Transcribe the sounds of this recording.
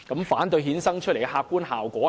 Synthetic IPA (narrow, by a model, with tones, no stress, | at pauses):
kɐ˨˥mfaː˨˥nt̪ɵ˧ɥɦiː˨˥nsɐ˥ŋt͡ʃʰɵ˥t̚le˨˩jhaː˧k̚kːuː˥nhaː˨wkʷɔː˨˥